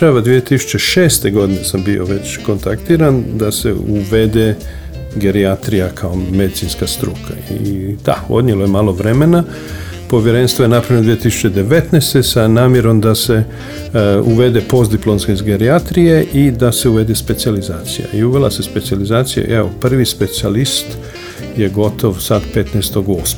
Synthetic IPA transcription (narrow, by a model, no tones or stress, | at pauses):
aʋad̪ʋijet̪isu̥t͡ɕe̞ʃeːst̪e̞ɡo̞d̪inesambio̞̰ʋet͡ɕko̞nt̪akt̪iːɾand̪asḛuʋed̪e | ɡeɾiat̪ɾijakʰaome̞d̪it̪sinskast̪ɾṵːkʰaḭd̪̥a̰o̞̰d̪ɲelojemaːlˠo̞ʋɾe̞me̞na | po̞ʋjeɾe̞nst̪ʋoje̞napɾavjnd̪ʋijet̪isu̥t͡ɕe̞d̪e̞ʋe̞t̪nest̪esanaːmje̞ɾo̞md̪ase | uʋe̞d̪epo̞zd̪iplonskeizɡeɾiat̪ɾije̞ʔid̪ase̞uʋe̞d̪espe̞t̪sializaːt̪sija̰iuʋe̞lase̞spe̞t̪sializaːt̪sija̰ʔeopr̩ʋispe̞t̪sialist̪ | je̞ɡo̞t̪ʰo̞ʋsad̪pe̞t̪nɛːst̪oɡosm